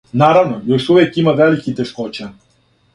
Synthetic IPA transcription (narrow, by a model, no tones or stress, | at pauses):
naɾaʋnɔjɔʃuʋʲɛkimaʋɛlikit̪ɛʃkɔt͡ʃɛ